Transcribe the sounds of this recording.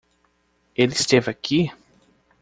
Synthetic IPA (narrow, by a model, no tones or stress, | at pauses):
elɪst̪evakʰi